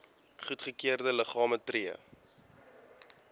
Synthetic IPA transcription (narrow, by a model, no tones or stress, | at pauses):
χutχəkiərdələχɑːmətriə̰